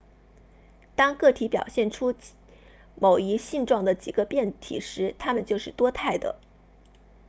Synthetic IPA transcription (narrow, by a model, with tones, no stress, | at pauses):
t̪ɑ˥ŋkɤ˥˩t̪ʰi˧˥pjɑ̰˨˩ʊɕjɛ˥˩nʈ͡ʂʰu˥ | mo˨˩ʊi˧˥ɕi˥˧nʈ͡ʂwɑ˥˩ŋd̪ə˩t͡ɕi˨˩ɡə˦pjɛ˥˩nt̪ʰḭ˨˩ʂɻ̩˧˥t̪ʰa˥mə˨nt͡ɕjo˥˧ʊʂɻ̩˥˩t̪wɔ˥t̪ʰa˥˩ɪd̪ə̰˩